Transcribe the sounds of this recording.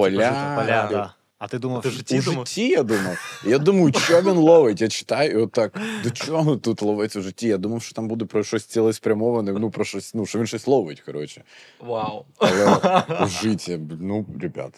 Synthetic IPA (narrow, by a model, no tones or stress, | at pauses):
pɐlʲa | ɐt̪ɪd̪umʲuʐɪtʲʰːijad̪umɐjijad̪umɐjʊt͡ʃɔʋʲinlˠɔʋetʲjat͡ʃɪ̥t̪ɑjʊiɔt̪ːɑkd̪ɔt͡ʃɔɦɔt̪ut̪lˠɔʋɛt͡sʲʊʐɪtʲːijad̪umɐwʃt͡ʃɔ̥t̪ambud̪ɛpɾɔʃɔsʲt͡sʲsʲilˠɛspɾʲɐmɔʋɐnɛnupɾɔʃɔsʲnuʃɔʋʲinʃɔsʲlˠɔʋɪtʲkɐɾɔt͡ʃɪ̥wawɐlˠɛuʒɪtʲɐnuɾʲɛbʲa̰t̪ɐ